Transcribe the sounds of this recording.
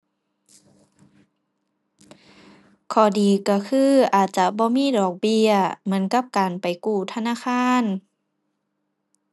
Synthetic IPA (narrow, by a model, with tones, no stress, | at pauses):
kʰɔː˧˩diː˨kɔ˧˩kʰɯː˧˥˨ʔaː˨˩t̪̚t͡ɕa˧˦bɔː˧˦miː˧˥˨dɔː˨˩k̚bi˧ɐmɯ˧˦ənka˧˥˦p̚kaː˨npa˨˩jkuː˧˩t̪ʰa˧naː˧˥˨xʰaː˧˥˨n